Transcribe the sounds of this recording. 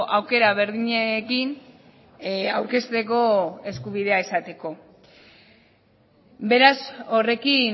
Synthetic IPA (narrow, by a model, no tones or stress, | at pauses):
ʔawke̞ɾaβ̞e̞ɾðiɲekin | awɾke̞st̪e̞ko̞e̞skuβ̞iðe̞aesat̪e̞ko̞ | be̞ɾaso̞re̞ki